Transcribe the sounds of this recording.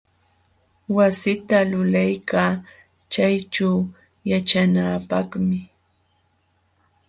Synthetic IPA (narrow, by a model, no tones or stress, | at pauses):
wasɪt̪alʊlajkaː | t͡ʃajt͡ʃaw | jat͡ʃanaːpɑχmɪ